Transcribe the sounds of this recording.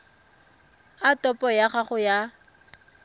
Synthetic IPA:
atɔpʼɔjaχaχʊja

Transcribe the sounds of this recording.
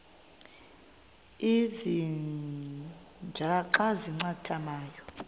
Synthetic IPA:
izi | nd͡ʒʱaǃaziŋ͡ǀatʰamaːjɔ

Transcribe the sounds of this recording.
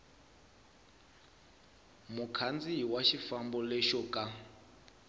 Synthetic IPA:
mukʰand͡ziɦiwaʃifambɔlɛʃɔkʼa

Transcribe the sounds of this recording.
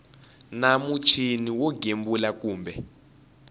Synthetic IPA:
namut͡ʃʰiniwɔɡʱembulak̬ʼuːmbʱɛ

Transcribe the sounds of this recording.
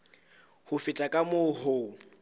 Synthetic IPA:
hʊfɪtʼakʼamohʊ

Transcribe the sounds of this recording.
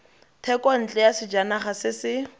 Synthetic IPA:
tʰɛkʼɔn̩t͡ɬʼɛjasɪd͡ʒanaχasɪsɪ

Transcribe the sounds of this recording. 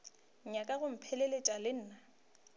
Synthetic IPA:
ɲakʼaɣʊm̩pʰɛlɛletʼalɪn̩ːna

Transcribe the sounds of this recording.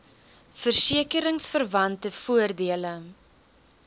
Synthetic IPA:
fərsiəkəɾəŋsfərvɐntəfuərdiələ

